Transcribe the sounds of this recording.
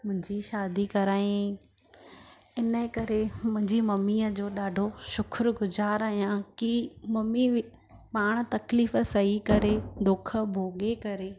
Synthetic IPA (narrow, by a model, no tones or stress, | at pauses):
mʊ̃ɦɪ̃ɲd͡ʑiʃaːd̪ikɐɾaːĩ | ɪnəkɐɾemʊ̃ɦɪ̃ɲd͡ʑimɐmiːəd͡ʑoːɗaːɖʱoʃʊkʰɾɡʊzaːɾaːɦijãkimɐmi | paːɽ̃̆t̪ɐkliːf̆sɐɦikɐɾed̪ʊkʰə̆bʱoːɠekɐɾeː